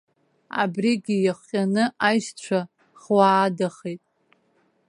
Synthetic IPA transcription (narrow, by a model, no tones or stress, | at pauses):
a̰briɡʲijaχʷqʲʼanɨajʃt͡ɕʷʰa | χwaːdaχejtʼ